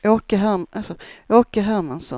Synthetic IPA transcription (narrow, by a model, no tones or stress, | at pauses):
oːkəɦæɾmʔalsɔʔoːkəɦæɾmansɔ̰